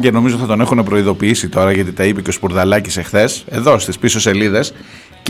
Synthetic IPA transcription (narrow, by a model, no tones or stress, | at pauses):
ɟeno̞mizoiθɐt̪o̞ne̞xune̞pɾo̞iðo̞piisit̪o̞ɾɐʝɐt̪̬it̪ɐipeceospuɾðɐlɐcise̞xθe̞se̞ðo̞st̪ispiso̞se̞liðe̞s | c